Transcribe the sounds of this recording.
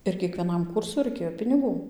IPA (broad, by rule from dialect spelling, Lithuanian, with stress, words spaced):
ɪr kʲiɛkʋʲiɛˈnɐm ˈkuːrsʊ rɐɪˈkʲeːjoː pʲɪnʲɪˈɡuː